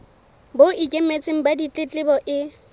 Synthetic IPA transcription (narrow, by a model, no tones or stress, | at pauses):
boikʼemet͡sʼɪŋ̩badit͡ɬʼɪt͡ɬʼɪbɔʔɪ